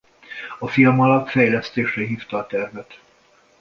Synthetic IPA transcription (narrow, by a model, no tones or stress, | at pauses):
ɒfilmɒlɒt̪fɛjlɛst̪eːʃrɛɦiːft̪ɒːt̪ɛrvɛt̪